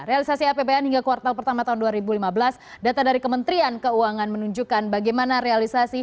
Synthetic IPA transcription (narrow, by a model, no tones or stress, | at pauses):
ɾealisasiapebeanhiŋɡakuwart̪alpərt̪amat̪aɦunduaɾibulimabəlas | dat̪adaɾikəmənt̪ɾiankəuaŋanmənuɲd͡ʒukanbaɡajmanaɾealisasi